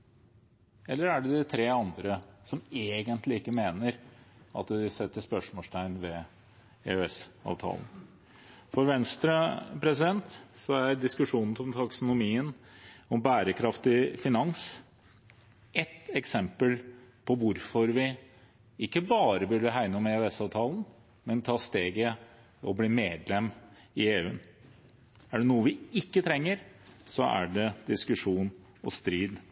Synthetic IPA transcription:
ɛlːəɾæɖɛd̪ɪt̪ʰɾeːɑnd̪ɾəsɔmeːɡənt̪lɪɪkːəmeːnəɾɑ̰t̪d̪ɪsɛt̪ːəʂpœʂmɔːst̪ʰæɪnʋɛ | ḛœɛsɑ̰ːʋt̪ʰɑ̰ːlˠn̩ | fɔɾʋɛnst̪ɾɑpʰɾɛsɪd̪ɛnt̪sɔæɾd̪ɪskʉʂuːnn̩t̪ʰɔmt̪ʰɑksʊnʊmiːənɔmbæːɾəkʰɾɑft̪ɪfɪnɑŋs | ɛt̪ɛksɛmpəlpʰɔʋʊɾfɔɾʋɪ | ɪkːəbɑːɾəbʉɖəɦæɪnəɔmeʉːɛsɑʋt̪ʰɑːlˠn | mɛnt̪ʰɑːst̪eːɡə | ɔbliːmeːd̪lɛmː | ɪeːʉ̰ːən | æɖɛnuːəʋɪɪkːət̪ʰɾɛŋːəɾsɔʔæ̰ɖɛd̪ɪskʉʂuːn | ɔst̪ɾiːd̪

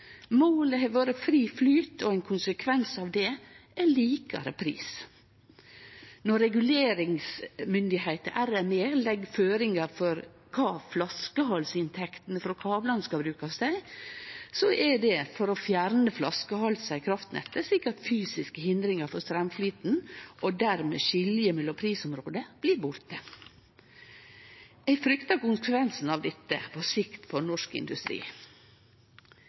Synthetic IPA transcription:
moːləɦɛʋoːɾəfɾiːflyːt̪ɔɛɪnkʰʊnsəkʰʋɛnsɑʋd̪ɛʔænliːkɑ̰ɾə̰pʰɾḭːs | nɔɾːɛɡʉleːɾɪŋsmʏnd̪ɪheɪt̪əʔæɾɛmeːlɛɡːføːɾɪŋɑfɔɾ | kʰɑːflɑskəɦɔlsɪnt̪ʰɛkt̪ənəfɾɔkʰɑːblɑnskɑbɾʉːkɑsd̪æɪ | sɔʔɛɖɛfɔɾɔfjæɾnəflɑskəhɑlsæɪkʰɾɑft̪nɛ̰t̪ːəʂlɪkːət̪fyːsɪskəɦɪnd̪ɾɪŋɑɾfɔɾst̪ɾɛmfliːt̪n̩ʔɔd̪æɾmḛːʃɪljəmɛlɔpʰɾiːsʊmɾoːd̪əb̥liɾbʊɾt̪ə | ɛɪfɾʏkt̪ɑɾkʊnsəkʰʋɛnsn̩ɑʋd̪ɛt̪ːə̰pʰɔsɪkt̪fɔnɔʂkɪ̰nd̪ʉst̪ɾḭː

